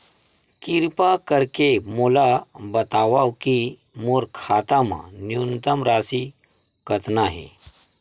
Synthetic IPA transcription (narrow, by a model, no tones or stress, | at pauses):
kiɾpakəɾkemolabət̪aːʋawki | moːɾkʰaːt̪amã̰njunt̪əmɾaːsi | kət̪naɦḛ